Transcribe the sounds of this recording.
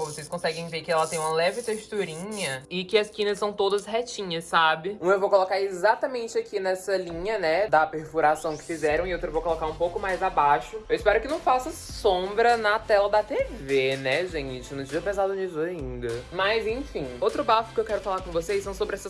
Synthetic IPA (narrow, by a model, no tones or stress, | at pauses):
õvosejskõsɛɡẽj̃veɾkɪɛlɐt̪ẽj̃ũmɐlɛvɪt̪eʃt̪uɾĩɲɐɪkɪɐskĩnɐssɐ̃w̃t̪od̪ɐshɛt͡ʃĩɲɐsːabɪũmɐewvowkolokaɾezat̪ɐmẽnt͡ʃɪakʰinɛsɐlĩɲɐnɛd̪ɐpeɾfuɾasɐ̃w̃kɪ̥fizɛɾɐ̃w̃ɪowt̪ɾɐvowkolokaɾũpowkʊmajzabaʃʊewɪspɛɾʊkɪnɐ̃w̃fasɐsõbɾɐnɐt̪ɛlɐd̪ɐt̪evenɛʒẽt͡ʃɪt͡ʃɪnʊ̃d͡ʒiɾɐpezad̪ʊnivelaĩnd̪ɐmɐzẽfĩowt̪ɾʊbafʊ̥kɪewkɛɾʊfalaɾkõvosessɐ̃w̃sobɾɪɛsɐ